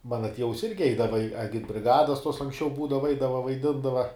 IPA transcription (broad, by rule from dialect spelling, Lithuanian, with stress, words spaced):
ˈmɑːnɐ ˈtʲiɛʋʊs ˈɪrʲɡʲɪ ˈɛɪdɐʋɐ ɪ ɪ ɐɡʲɪdʲbʲrʲɪˈɡɑːdoːs tuɔs ɐŋksʲˈt͡ʃʲɛʊ ˈbuːdɐʋɐ ˈɛɪdɐʋɐ ʋɐɪˈdʲɪndɐʋɐ